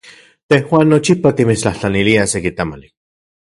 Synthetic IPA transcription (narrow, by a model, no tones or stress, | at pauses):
t̪ehwaːnːot͡ʃipat̪imit͡ʃt͡ɬaht͡ɬaniliasekit̪amali